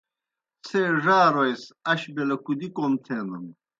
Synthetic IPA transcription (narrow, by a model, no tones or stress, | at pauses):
t͡sʰeːʐaːɾojsɐɕbelɐkud̪ikomt̪ʰeːnɐm